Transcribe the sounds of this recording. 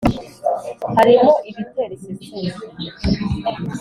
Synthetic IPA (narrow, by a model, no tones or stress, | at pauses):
haɾimoʔiβite̞ɾiβiuːzi